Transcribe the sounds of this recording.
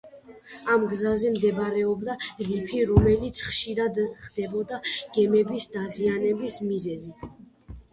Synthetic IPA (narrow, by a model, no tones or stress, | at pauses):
amɡzazɛmd̪ɛbɾɛɔbd̪aɾipʰiɾɔmɛlit̪sʰχʃiɾad̪χd̪̥ɛbɔd̪aɡ̥ɛmɛbisd̪azianɛbismizɛzi